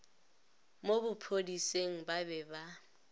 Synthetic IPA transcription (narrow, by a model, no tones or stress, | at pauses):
mobʊpʰodiseŋ̩babɛba